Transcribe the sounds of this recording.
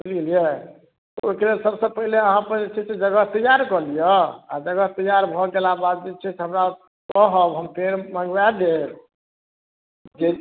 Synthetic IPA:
bilɡelijɛ | t̪ɔoikɾelsəbsə̃pəɦileəɦãpəɾd͡ʒet͡ʃʰɛsed͡ʒəɡət̪əjaɾkɔlijəa̰d͡ʒəɡət̪əjaɾbʱɔɡelabad̪̚d͡ʒet͡ʃʰɛseɦəmɾa | kɔɦəbɦəmpeɾmaŋɡwad̪eɾ | d͡ʒe

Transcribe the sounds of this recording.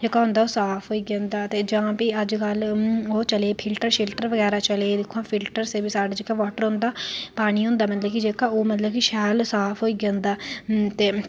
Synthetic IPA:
d͡ʒeːkaːɦʊ̃nd̪aːoːsaːpʰɦoːiːɡãːnd̪aːt̪eːd͡ʒãːpiːəd͡ʒkəloːt͡ʃəleːpʰɪlʈəɾʃɪlʈəɾʋəɡɛːɾaːt͡ʃəleːd̪ɪkʰːoãːpʰɪlʈəɾseːbiːsaːɖaːd͡ʒeːkaːʋaːʈəɾɦõnd̪aːpaːɽ̃iːɦʊ̃ːnd̪aːmət̪ləbkɪd͡ʒeːkaːoːmət̪ləbkɪʃɛːlsaːpʰɦoːiːɡjãːnd̪aːt̪eː

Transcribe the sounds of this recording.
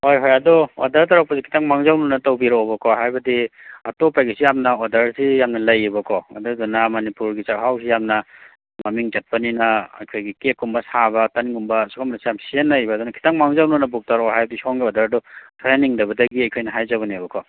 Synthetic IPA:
hojɦojɐdɔo̰dɐɾtɐɾak̚pɐsikʰi̥taŋmaŋzawnunɐtɐwbiɾaobɐkʰɔɦajbɐdiɐtopajɡisijamnɐodɐɾsijamnɐlɐjːibɐkʰɔɐ̰dɔdunɐmonipuɾɡit͡ʃakɦawsʰijamnɐ | mɐmiŋd͡ʒɐt̚pɐninɐɐ̰jkʰojɡikekːumbɐsabɐtaniŋumbɐsukʰamɾɐsijamsienlɐjbɐːdunɐkʰi̥taŋmaŋzawnunɐbuk̚taɾɔɦajbɐdisoŋɡiɔdɐɾdɔtʰɾeniŋdɐbɐdɐɡiɐjkʰojnɐɦajzaβɐnibɐkʰɔ

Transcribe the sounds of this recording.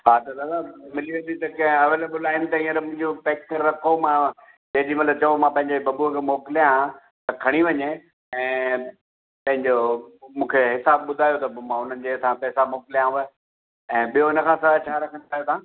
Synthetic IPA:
ɦaːt̪ɐlɐlamɪliʋẽːn̆d̪it̪ɐkɐ̃ɦɪ̃ɐʋəlbʊlaːɪnt̪ɐĩːəɾmʊ̃ɦɪ̃ɲd͡ʑopeːkkəɾːɐkʰomã | d͡ʑɐɦɪ̃d͡ʑimɐt̪ləb̚t͡ɕɐʋomãpɐ̃ɦɪ̃ɲd͡ʑebɐbuəkʰemoːkɪljã | t̪ɐkʰɐɽ̃iʋɐɲe | ɛ̃ː | pɐ̃ɦɪ̃ɲd͡ʑomũːkʰeɦɪsaːb̚ɓʊd̪ʱaːjot̪ɐmãʊn̤ənɪ̆d͡ʑet̪ʰãpɛːsamoːkɪljãʋə | ɛ̃ːɓijoɪnə̆kʰãsɐɾat͡ɕʰaːɾɐkʰə̃ñaːjot̪ʰãː

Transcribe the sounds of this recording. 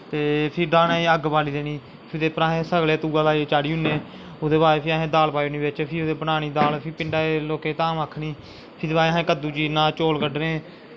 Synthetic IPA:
t̪eːpʰɪɾɖaːnaːiːəɡbaːliːd̪eːniː | pʰd̪eːpəɾãːɦẽːsəɡleːt̪uːɡaːlaːieːt͡ʃaːɽiːɦʊnẽː | ʊd̪eːbaːɾeːpʰɪaːɦẽːd̪aːlpaːenĩːbɪt͡ʃpʰɪʊd̪eːbənaːniːd̪aːlpʰɪpɪɳɖaːeːloːkeːt̪aːmaːkʰniː | pʰɪbaːeːɦẽːkəd̪uːt͡ʃiːnãːt͡ʃoːlkəɖɾẽː

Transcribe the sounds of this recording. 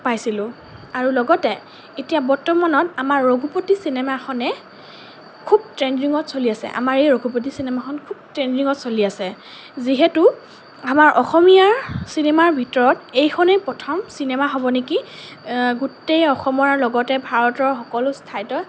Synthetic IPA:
pajsilʊ | aɹulɔɡɔtɛ | etijabɔɹtɔmanɔtamaɹːoɡʱupotisinɛmakʰɔnɛ | kʰub̚tɹend͡ʒiŋɔtsoliasɛ̰ʔa̰maɹejɹoɡʱup̬ot̬isinɛmakʰɔnkʰub̚tɹend͡ʒiŋɔtsoliasɛ | ziɦetu | amaɹʔɔxɔmijaɹsinemaɹbʱitɔɹɔtejxʰɔnɛpɹɔtʰɔmsinɛmaɦɔbɔneki | ɡutejɔxɔmɔɹaɹlɔɡɔtɛbʱaɹɔtɔɹxɔkɔlʊstʰajtɔ

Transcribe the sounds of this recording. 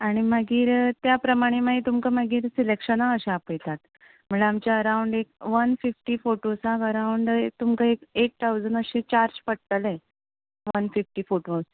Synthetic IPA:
aɽ̃imaɡiːɾt̪japɾəmaɽ̃emaɦit̪umkəmaɡiːɾsilekʂənaəɕeapəjt̪at̪ | m̤əɭeamt͡ɕjaəɾawɳɖekʋənfifʈiːfoʈosakəɾawɳɖt̪umkəekek̚t̪ʰawd͡zənəɕẽt͡ɕaɾd͡ʑpəɽ̚t̪əlɛ | ʋənfifʈiːfoʈos

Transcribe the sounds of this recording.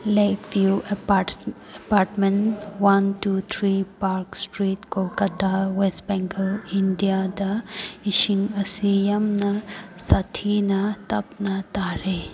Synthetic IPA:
lajkbjuepa | epaɾʈmenwɐnʈut̪ʰɾipaɾksʈɾiːtkolkɐt̪awesʈbɛ̃ŋkəlindijad̪ɐiʃiŋɐsijɐmnɐsat̪ʰinɐt̪ɐpnat̪aɾe

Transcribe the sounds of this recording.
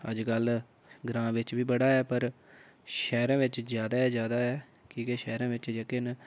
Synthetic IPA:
ə̰d͡ʒkəl | ɡɾãːʋɪt͡ʃʋiːbəɽaːɛːpəɾ | ʃɛːɾãːʋɪt͡ʃzjaːd̪aːɛːzjaːd̪aːɛː | kiːkeʃɛːɾãːʋɪt͡ʃd͡ʒekɪn

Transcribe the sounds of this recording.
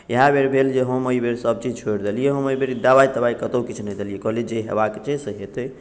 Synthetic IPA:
jəɦabʱeɾbʱeld͡ʒeɦəməibeɾsəb̚t͡ʃid͡ʒt͡ʃʰoɽd̪elijeɦəməibʱeɾd̪abait̪əbaikət̪okit͡ʃʰnɛjd̪elijekɔɦlid͡ʒeɦḛbaket͡ʃʰesəɦet̪əj

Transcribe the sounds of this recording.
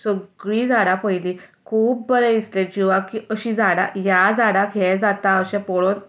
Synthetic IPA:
səɡɭiːd͡zaɽapəjlikʰuːb̚bəɾẽisled͡ʑiʋakiʔəɕiːd͡zaɽa̰jad͡zaɽakʰɛd͡zat̪aəɕɛ̃pɔɭon

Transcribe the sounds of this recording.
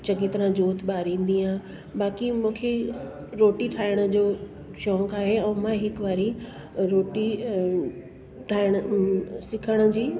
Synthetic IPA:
t͡ɕɐɡit̪ɾãd͡ʑoːt̪ɓaːɾĩːnd̪iɦãː | baːkimũːkʰe | ɾoːʈiʈʰaːɪɽ̃ə̆d͡ʑoː | ʃɔːkaːɦeɛ̃ːmãɦɪkʋaːɾi | ɾoːʈi | ʈʰaːɪɽ̃əsɪkʰəɽ̃ə̆d͡ʑiː

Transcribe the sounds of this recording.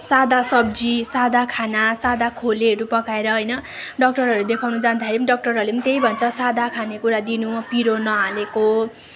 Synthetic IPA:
sad̪asʌb̚d͡zisad̪ʱakʰanasad̪akʰoleɦʌɾupʌkaeɾʌɦʌjnʌɖʌk̚ʈʌrɦʌɾud̪ekʰawnud͡zand̪axeɾipʌniɖʌk̚ʈʌrɦʌrlepʌnit̪ejbʱʌnt͡sʰʌsad̪ʱakʰanekuɾad̪inupiɾonʌaleko

